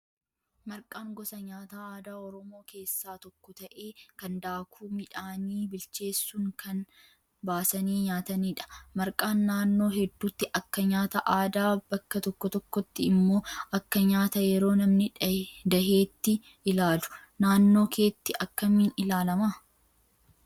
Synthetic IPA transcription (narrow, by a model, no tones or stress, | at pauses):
mɐɾkʼaːŋɡɔsɐɲaːt̪aːaːd̪aːɔɾɔmo̞ːkʰe̞ːsːaːt̪ɔkːɔt̪ɐʔe̞ːkɐnd̪aːkʰuːmɪᶑaːniːbɪlt͡ʃe̞ːsːuːŋkɐn | baːsɐniːɲaːt̪ɐniːᶑɐ̥mɐɾkʼaːnːaːnːo̞ːɦɛd̪ːuːt̪ːɪʔɐkːɐɲaːt̪ɐʔaːd̪aːbɐkːɐt̪ɔkːɔt̪ɔkːɔt̪ːɪɪmːo̞ːʔɐkːɐɲaːt̪ɐjɛɾo̞ːnɐmnɪᶑd̪ɐɦe̞ːt̪ːɪ | ʔɪlaːlʊ̥naːnːo̞ːkʰe̞ːt̪ːɪʔɐkːɐmiːnɪlaːlɐmaː